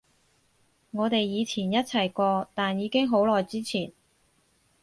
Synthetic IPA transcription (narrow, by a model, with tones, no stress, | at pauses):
ŋɔː˨˧t̪e˨jːiː˨˧t͡sʰiː˨˩njɐ˥t̚t͡sʰɐ˨˩jkɔː˧t̪aː˨njiː˨˧kɪ˥ŋɦo˨˥wlɔː˨jt͡siː˥t͡sʰiː˨˩n